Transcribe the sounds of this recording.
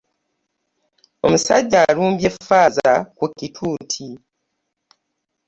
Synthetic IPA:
o̞̰musaɟːaːluːmbje̞faːzakukːitʰuːtʰi

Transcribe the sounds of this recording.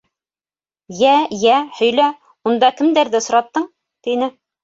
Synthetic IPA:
jæjæhɵ̆jlæ | und̪ɑkɘ̆md̪æɾðɘsŏɾɑt̪ːɤɴ | t̪inɘ

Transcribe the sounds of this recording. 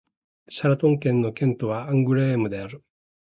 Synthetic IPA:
ɕaɾat̪õ̞ŋkẽ̞nːo̞kẽ̞nt̪o̞βaãŋɡɯ̟ɾeːmɯ̟d̪e̞aɾɯ̟

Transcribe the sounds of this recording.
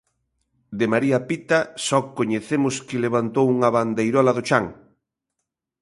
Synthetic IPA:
d̪ɪmaɾiɐpit̪asɔkoɲeθemʊskɪleβ̞ant̪owuŋɐβand̪ejɾɔlɐðot͡ʃaŋ

